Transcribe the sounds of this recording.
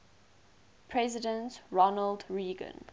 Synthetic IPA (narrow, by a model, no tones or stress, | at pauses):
pʰɹɛzɪdə̃ntɹɔnəldɹiːɡə̰̃n